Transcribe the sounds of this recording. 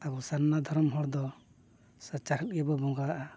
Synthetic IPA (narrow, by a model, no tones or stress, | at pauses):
abɔsannad̪ʱɔɾɔmɦɔɽd̪ɔ | sat͡ʃaɾɛt̚ɡɛbɔbɔŋɡaʔa